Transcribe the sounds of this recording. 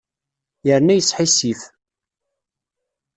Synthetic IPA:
jəɾnæjəsħisif

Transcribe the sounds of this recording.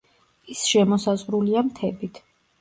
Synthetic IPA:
isʃɛmɔsazʁɾuliamt̪ʰɛbit̪ʰ

